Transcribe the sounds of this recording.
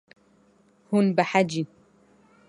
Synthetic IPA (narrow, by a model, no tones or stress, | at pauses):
hʊnbaħad͡ʒin